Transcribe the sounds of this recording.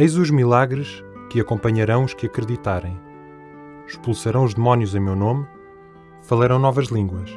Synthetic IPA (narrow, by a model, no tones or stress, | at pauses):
ɐjzuʒmilˠaɣɾɨʃkɨɐkõmpɐɲɐɾɐ̃w̃uʃkɨɐkɾɨðit̪aɾɐ̃j̃ | ʃpulˠsɐɾɐ̃w̃uʒðɨmɔnjuzɐ̃j̃mewnom | fɐlˠɐɾɐ̃w̃nɔvɐʒlˠĩŋɡwɐʃ